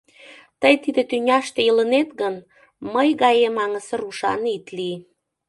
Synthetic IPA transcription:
t̪əjt̪id̪ĕt̪ynʲɑʃt̪ejələnet̪ɡən | məjɣɑjemɑŋə̆sə̆ɾuʃɑ̰nit̪li

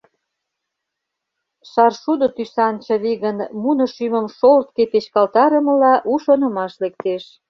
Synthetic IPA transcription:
ʃɑrʃud̪ot̪ysɑnt͡ɕɤβiɣənmunɤ̆ʃymə̆mʃolt̪̚kepet͡ɕkɑlt̪ɑɾə̆mə̆lɑʔuʃonɤ̆mɑʃlek̚t̪eʃ

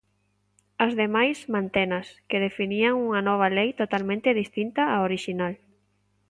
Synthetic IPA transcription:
ɐzðemajsmãnt̪enɐskeðefiniaŋuŋɐnɔβ̞ɐlejt̪ot̪almẽnt̪ɪð̞ist̪int̪ɐaoɾiʃinal

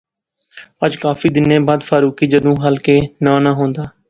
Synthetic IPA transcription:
əd͡ʒkaːfiːd̪ɪnẽːbaːd̪faːɾuːkiːd͡ʒəd̪ũːɦəlkeːnãːnəɦõːnd̪aː

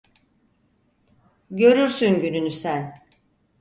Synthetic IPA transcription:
ɟø̞ɾyɾsynɟynynysæn

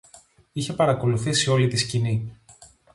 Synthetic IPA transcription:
içe̞pɐɾɐko̞luθisio̞lit̪iscini

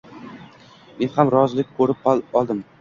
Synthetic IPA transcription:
menhamɾɒzlɪk̚ʲkʰɵɾɪp̚qɒlˠɒlˠd̪ɪm

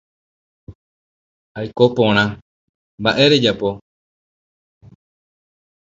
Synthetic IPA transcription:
ajko̞põ̞ɾ̃ã | mbaʔe̞ɾe̞d͡ʒapo̞

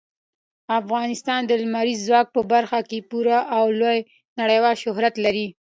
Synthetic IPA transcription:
afɣɑnɪst̪ɑnd̪əlmaɾizːwɑk̚pəbaɾxakepuɾaʔawloj | naɽəjwɑlʃʊɦɾat̪laɾi

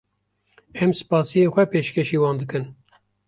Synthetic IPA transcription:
ɛmsɨ̥pɑːsijeːxʷɛpeːʃkʰʲeʃiːwɑːnd̪ɨkɨn

